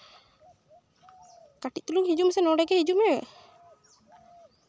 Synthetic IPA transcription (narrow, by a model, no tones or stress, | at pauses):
kaʈit̚t̪uluŋɦid͡ʒumɛsɛnɔɖɛɡɛhid͡ʒumɛ